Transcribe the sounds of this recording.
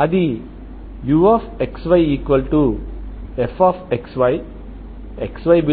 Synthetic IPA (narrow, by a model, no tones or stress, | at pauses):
ɐd̪i | juɔfeksʋajiːkʋəlʈu | efɔfeksʋaj | eksʋaɪbi